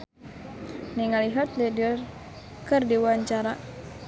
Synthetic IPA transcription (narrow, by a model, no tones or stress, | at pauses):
niŋaliɦat̪lidər | kɨrdiwaɲt͡ʃaɾa